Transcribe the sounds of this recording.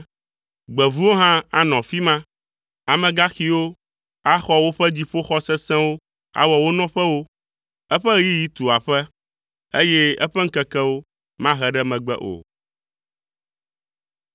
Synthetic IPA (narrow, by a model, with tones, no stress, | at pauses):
ɡ͡bɛ˨vu˦wo˦ɦã˦a˦nɔ̃˨fi˦mã˦ | a˨mɛ̃˨ɡa˦xi˦wo˦ | a˦xɔ˦wo˦ɸɛ˦d͡ʑi˦ɸo˦xɔ˦sɛ˦sɛ̃˦wo˦ | a̰˦wɔ˨wo˦nɔ̃˦ɸɛ˦wo˦ | ɛ˦ɸɛ˦i˦ji˦t̪u˨a˨ɸɛ˦ | e˦jɛ˦ɛ̰˦ɸɛ˦ŋ̩˦kɛ˦kɛ˦wo˦ | mã˦ɦɛ˨ɖɛ˦mɛ̃˨ɡ͡bɛ̰˦ʔo̰˨